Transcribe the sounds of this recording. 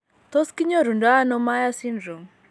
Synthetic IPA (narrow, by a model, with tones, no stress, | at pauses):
t̪o˦ski˦ɲo˦ɾu˨nda˦a˦nɔ˦ma˦ja˦si˦ndɾo˨ŋ